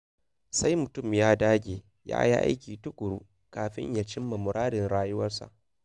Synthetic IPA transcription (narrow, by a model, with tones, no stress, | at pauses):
sa˦jmʊ˨tʊ˦˨mjaː˦daː˦ɡʲeː˨ | ja̰ː˦jḭ˦ʔa̰˦jkʲiː˨tʊ˦kʷʼʊ˨ɽu˦ | kaː˨ɸɪ̰˦ɲja˨t͡ʃɪ˦mːɐ˨mʊ˨ɾaː˦dɪ˨nɽaː˦jʊ˦wɐ˦rsa̰˨ʔ